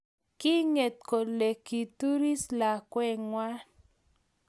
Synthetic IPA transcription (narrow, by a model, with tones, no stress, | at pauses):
ki˦ŋe˨t̪̚ko˨le˨ki˨tu˦ɾi˦sla˨kwɛ˦ŋwa˦